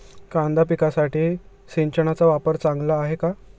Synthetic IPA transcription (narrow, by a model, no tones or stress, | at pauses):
kãnd̪apikasaʈiː | siɲt͡ɕəɳ̃at͡saʋapəɾt͡sãŋɡlaːɦeka